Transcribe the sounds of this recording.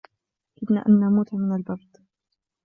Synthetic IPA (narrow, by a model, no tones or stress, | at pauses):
ɡɪd̪na̰ːʔanːamuːt̪mɪnalbɑɾˤd̪̥ˤ